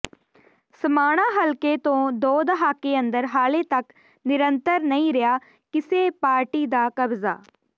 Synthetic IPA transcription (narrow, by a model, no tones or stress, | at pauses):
səmaːɽ̃ãːɦəlkeːt̪õːd̪oːd̪əɦaːkeːənd̪əɾɦaːleːt̪ək | nɪɾənt̪əɾnəĩːɾɪjaː | kɪseːpaːɾʈiːd̪aːkəbza̰ː